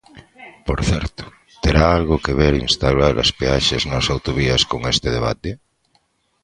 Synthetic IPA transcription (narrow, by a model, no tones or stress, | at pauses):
poɾθɛɾt̪o̥ | t̪eɾaalɣokeβeɾinst̪awɾaɾɐ̰speaʃeznasawt̪oβiɐskoŋest̪eðeβa̰t̪e